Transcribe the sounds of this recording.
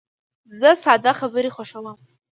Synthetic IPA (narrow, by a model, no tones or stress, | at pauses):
zasʕadaχabaɾiχʷaʂalam